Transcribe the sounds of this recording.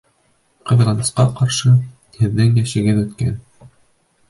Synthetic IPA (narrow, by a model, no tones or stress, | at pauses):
qɤ̆ð̆ʁɑnɤ̆sqɑqɑɾʃɤ | hɘ̆ðːɘŋjæʃɘ̆ɡɘðɵ̆t̪kæ̰n